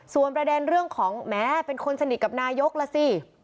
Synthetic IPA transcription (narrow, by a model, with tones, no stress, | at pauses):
su˨˩ənpɾa˧dɛː˧nɾɯ˥˩əŋkʰɔː˩˦ŋmɛː˦˥pe˧nkʰo˧nsa˧ni˨˩t̪̚ka˨˩p̚naː˧jo˦˥k̚lɛ˦˧˥siː˧˥˩